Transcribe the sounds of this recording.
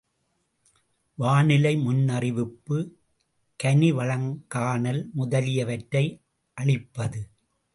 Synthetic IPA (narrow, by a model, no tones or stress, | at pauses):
ʋaːnɪlɐɪmʊnːɐrɪʋɪpːɯ | kɐniʋɐɭɐŋkaːnɐlmʊðɐlɪjɐʋɐʈɾɐɪ | ʔɐɭɪpːɐðɯ